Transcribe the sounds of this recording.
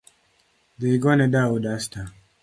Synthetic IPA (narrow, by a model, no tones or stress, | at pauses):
diiɡɔnɛdaudasta